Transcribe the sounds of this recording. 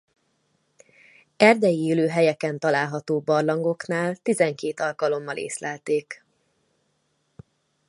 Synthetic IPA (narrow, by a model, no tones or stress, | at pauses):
ɛrd̪ɛjieːløːɦɛjɛkɛnt̪ɒlaːlɦɒt̪oːbɒrlɒŋɡo̞knaːlt̪izɛŋkeːt̪ɒlkɒlo̞mːɒlḛːslɛlt̪eːk